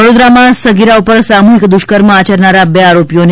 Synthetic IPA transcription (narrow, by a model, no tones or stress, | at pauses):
əɽod̪ɾamasəɡiɾaupəɾsamuɦikd̪uɕkəɾməat͡ɕəɾɳaɾabeaɾopjon